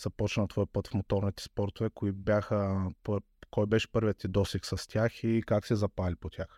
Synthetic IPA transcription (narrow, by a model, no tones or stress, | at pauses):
z̥ɐpɔt͡ʃnət̪vɔjpɤt̪fmot̪ɔɾnit̪ɛ̥spɔɾt̪ovɛkoibʲjaxəp | kɔjbɛʃɛ̥pɤɾvʲiət̪ʲid̪ɔsɛksɐst̪ʲaxikaksɛzɐpalʲipot̪ʲjax